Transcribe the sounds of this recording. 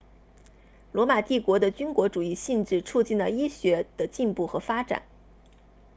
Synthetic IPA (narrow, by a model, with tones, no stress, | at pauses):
lwɔ˧˥ma˨˩t̪i˥˩kwɔ˧˥d̪ə˧t͡ɕy˥nkwɔ˧˥ʈ͡ʂu˨˩i˥˧ɕi˥˧nʈ͡ʂɻ̩˥˧t͡sʰu˥˧t͡ɕi˥˩nlə˩i˥ɕɥɛ˧˥d̪̥ə˧t͡ɕi˥˧npu˥˩xɤ˧˥fa˥ʈ͡ʂa̰˨˩˦n